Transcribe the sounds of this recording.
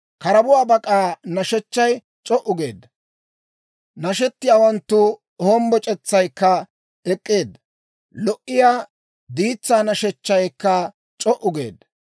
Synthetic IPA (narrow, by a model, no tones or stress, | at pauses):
kɐɾɐbʊwaːbɐkʼaːnɐʃɛt͡ʃːɐj | t͡ʃʼɔʔʊɡeːd̪ɐ | nɐʃɛt̪ːɪjaːwɐnt̪ːʊ | hoːmbɔt͡ʃʼɛt͡sːɐjkːɐ | ɛkʼːeːd̪ | lɔʔɪjaː | d̪iːt͡sːaːnɐʃɛt͡ʃːɐjkːɐ | t͡ʃʼɔʔʊɡe̞̰ːd̪ɐ